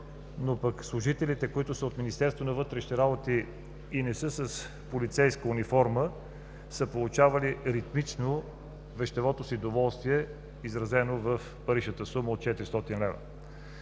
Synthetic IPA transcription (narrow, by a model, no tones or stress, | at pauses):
nopəkslˠʊʒit̪ɛlit̪ɛkoit̪ʊsəot̪minist̪ɛɾst̪vonɐvɤt̪ɾɛʃi̥t̪ɛɾabot̪iː | nɛsɤsəs | polit̪sɛjskəunifɔɾmə | səpolˠut͡ʃavɐliɾit̪mit͡ʃno | vɛʃt̪ɛvɔt̪osid̪ovɔlˠst̪viɛ | izɾɐzɛnovəf | pɐɾiʃnət̪əsuməot̪̚t͡ʃɛt̪iɾist̪ɔt̪inlɛvə̰